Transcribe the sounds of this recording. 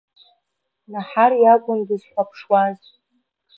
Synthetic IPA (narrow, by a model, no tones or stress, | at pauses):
naħarjaɡʷʊmɡʲɪzħʷapʰʂwaz